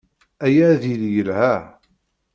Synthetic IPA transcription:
æjæðiljəlhæ

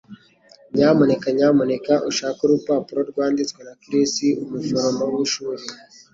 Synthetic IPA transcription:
ɲaːmo̞ne̞kaɲaːmo̞ne̞kaʔuʃaːkuɾupaːpuɾo̞ɾɡwaːndit͡swenakiɾisiumuvoɾombawiʃuːɾe

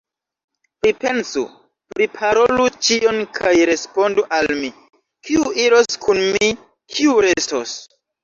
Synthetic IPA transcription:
pɾipe̞nsṵ | pɾipʰaɾo̞lut͡ʃio̞nkʰajɾe̞spo̞nduʔalmi | kiuiɾo̞skʰunmi | kʰiuɾe̞sto̰s

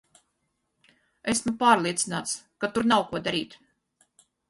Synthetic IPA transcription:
esmupaːɾlˠiɛt̪sinaːt̪skat̪uɾnawkuɔd̪aɾiːt̪

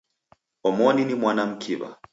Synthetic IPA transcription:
ɔmɔninimwanam̩kʰiɓa̰

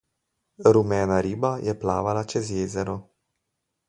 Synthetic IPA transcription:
ɾumɛːnaɾiːbajʔɛpla̰ːʋalat͡ʃɛzjeːzɛɾɔ

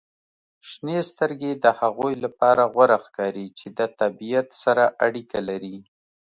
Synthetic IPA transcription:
ʃnest̪əɾɡed̪əhaɣojlapɑɾaɣwaɾaxkɑɾit͡ʃed̪ət̪abijat̪saɾaʔaɽikalaɾi

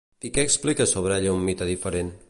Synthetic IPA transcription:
ikɛːksplikəsoβɾɛʎəumːit̪əðifəɾen

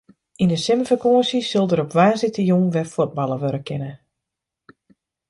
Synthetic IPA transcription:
inəsɪməfəkoəsisølˠdəɾɔpʋaːsɪtəjunʋɛfod̚bɑlˠəʋøɾəkʰɪnə

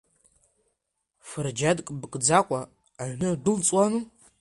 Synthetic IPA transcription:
fɨrd͡ʒadkʼɨbɨkʼd͡zaqʷʼa | aʒʷᶣnɨdʷɨlt͡sʼwanuː

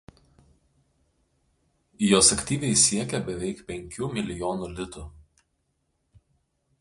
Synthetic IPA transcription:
joːsɐkʲt̪ʲiːʋʲɛɪsʲiɛkʲɛbʲɛʋʲɛɪkpʲɛŋʲkʲuːmʲɪlʲɪjoːnuːlʲɪt̪u

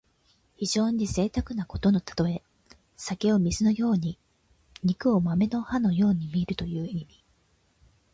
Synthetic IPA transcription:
çiʑo̞ːɲ̟ize̞ːt̪akɯ̟nako̞t̪o̞no̞t̪ʰḁt̪o̞e̞ | sakʲeo̞mʲizɨno̞jo̞ːɲ̟i | ɲ̟ikɯ̟o̞mame̞no̞hano̞jo̞ːɲ̟imʲiɾɯ̟t̪o̞jɯ̟ːimʲi

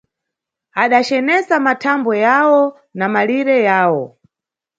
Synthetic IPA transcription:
aɗat͡ʃɛnɛsamatʰambɔjawɔ | namaliɾɛjaːwɔ

